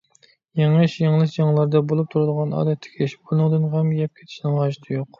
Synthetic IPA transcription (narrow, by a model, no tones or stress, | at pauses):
jeŋɨʃjeŋlˠɨʃd͡ʒɑŋlˠɑɾd̪ɑbolˠup̚t̪ʰuɾud̪əʁɑnɑ̰ːd̪ɛt̪ʰːɪ̥kʲʰeʃi̥bolˠnɨŋd̪ɨnʁɛmjɛp̚kʲʰe̥t̪ʰɪ̥ʃinɪŋʁɑʒɨt̪ʰɨjoq